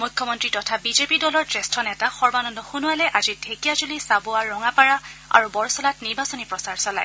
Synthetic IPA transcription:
mukʰjɔmɔntɹitɔtʰabizepidɔlɔɹtɹestʰɔnɛtaxɔɹbanɔndɔxunʊalɛʔazidʱekijazulisabʊaɹɔŋapaɹaa̰ɹubɔɹsɔlatniɹbasɔnipɹɔsaɹsɔla̰j

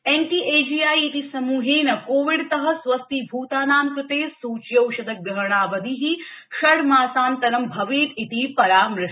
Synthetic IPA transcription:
enʈiʔeːd͡ʒiaːjit̪isɐmuːɦeːnɐkoːʋiɽt̪ɐɦɐ̆sʋɐst̪ibʱuːt̪aːnaːmkɾɨt̪eːsuːt͡ʃjɐwʃɐd̪ɐk̚ɡɐɦɳ̃aːʋɐd̪ʱiɦiʃɐɽmaːsaːnt̪ɐɾɐmbʱɐʋiːt̪it̪ipɐɾaːmɾɪʃ

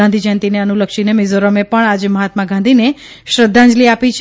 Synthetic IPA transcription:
ãnd̪ʱid͡ʒənt̪ineənuləkʃinemezoɾəmepəɳad͡ʒeməɦat̪maɡʱãnd̪ʱine | ʃɾəd̪ʱːãnd͡ʒliapit͡ʃʰ

